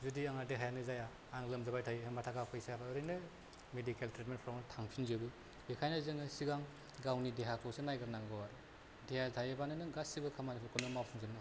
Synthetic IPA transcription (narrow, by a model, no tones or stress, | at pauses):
zudiaŋadeɦajanɯzajaː | ŋlɯmzabajtʰajɦematʰaɡapʰɯjsajabaɯɾɯnɯ | medikeltɾet̚menpʰɔɾmatʰaŋpʰinzɯbɯ | bekʰajnazɯŋɯsiɡaŋ | ɡawnideɦakʰɔsenajɡɯɾnaŋɡɔwaɾ | deɦazajɯbanɯnɯɡasibɯkʰamanɯpʰɯkʰɯnɔmawpʰɔŋzɯnŋ